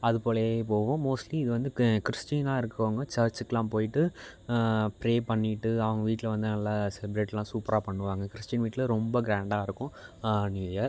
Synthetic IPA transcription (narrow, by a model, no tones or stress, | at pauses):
ɐðɯpoːlɐeːpoːʋʊ̃moːsʈliɪðɯʋɐnd̪ɯkɪɾɪsʈiːnaːɪɾɯkːɯʋaːŋɡɐt͡ʃɐɾt͡ʃɯkːɐlãːpoːjɪʈːɯ | pɾeːpɐɳːɪʈːɯɐʋɐŋɡɐʋiːʈːɪlɐʋɐnd̪ɯnɐlːaːsɛlɪbɾeːʈllãːsuːpɐɾaːpɐɳːɯʋaːŋɡɐkɪɾɪsʈjɐnʋiːʈːɪlɐɾɔmbɐɡɾaːɳɖaːɪɾɯkːʊ̃njuːjaːɾ